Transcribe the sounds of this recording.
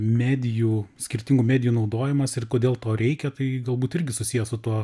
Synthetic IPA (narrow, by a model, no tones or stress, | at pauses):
mʲæːd̪ʲɪjuːsʲkʲɪɾʲt̪ʲɪŋɡuːmʲæːd̪ʲɪjuːnɒʊd̪oːjɪmɐsɪrkoːd̪ʲeːlˠt̪oːɾʲɛɪkʲɛt̪ɐɪɡɐlˠbuːt̪ɪɾʲɡʲɪsʊsʲijɛsʊt̪uɔ